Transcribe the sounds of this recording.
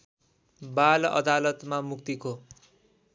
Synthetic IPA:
balʌ̰d̪alʌt̪mamuk̚t̪iko

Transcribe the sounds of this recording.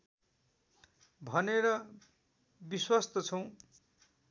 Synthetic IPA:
bʱʌneɾʌ | biswast̪ʌt͡sʰʌw̃

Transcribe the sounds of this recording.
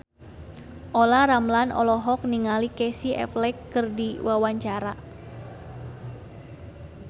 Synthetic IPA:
ʔolaɾamlanʔɔ̰lɔɦɔk̚niŋalikɛsiʔɛ̰flɛkːɨrdiwawaɲt͡ʃaɾa

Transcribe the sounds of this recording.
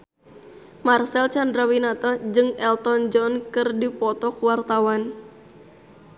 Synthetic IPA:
marsɛlt͡ʃandɾawinat̪ɔd͡ʒɨŋɛlt̪ɔnd͡ʒɔnkɨrdipɔt̪ɔkuwart̪awan

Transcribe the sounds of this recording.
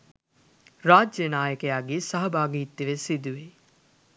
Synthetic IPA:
ɾaːd͡ʒjənaːjəkejaːɡiːsɐɦɐbaːɡiːt̪ːiʋesid̪uʋi

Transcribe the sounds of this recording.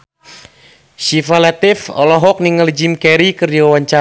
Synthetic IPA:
ʃifalat̪ɪfɔ̰lɔɦɔk̚niŋəld͡ʒimkɛɾikɨrdiwawaɲt͡ʃa

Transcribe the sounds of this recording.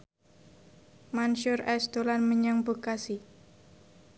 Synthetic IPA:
manʃʊrɛsd̪̥olanməɲaŋbokasi

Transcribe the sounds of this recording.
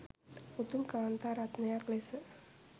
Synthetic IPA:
ut̪umkaant̪aɾat̪nejaklesə

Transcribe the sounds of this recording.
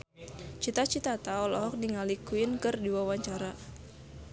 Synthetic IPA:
t͡ʃit̪at͡ʃit̪at̪aɔlɔɦɔk̚diŋalikuɪnkɨrdiwawaɲt͡ʃaɾa

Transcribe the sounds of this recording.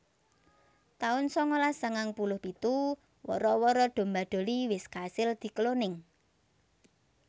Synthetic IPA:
t̪aʊnsɔŋolasəŋaŋpulʊhpit̪u | wɔ̰ɾɔwɔɾɔɖ̪̥o̤mbaɖ̪̥o̤liwɪskasɪld̪̥i̤kəlonɪŋ

